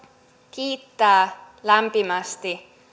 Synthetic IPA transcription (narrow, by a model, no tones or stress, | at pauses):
kiːt̪ːæː | læmpimæst̪i